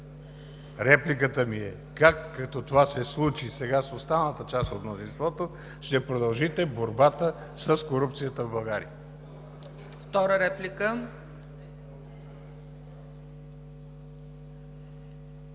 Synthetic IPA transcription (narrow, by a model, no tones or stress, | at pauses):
ɾɛplikət̪əmiɛ | kakːɐkt̪ɔt̪ovasɛslˠut͡ʃisɛɡasost̪avnət̪ət͡ʃast̪ot̪mnozinst̪vɔt̪o | ʃt̪ɛpɾod̪ɐlˠʒit̪ɛboɾbat̪ə | səskoɾup̚t̪sijət̪əvbɐlˠɡaɾḭə | ft̪ɔɾəɾɛplikə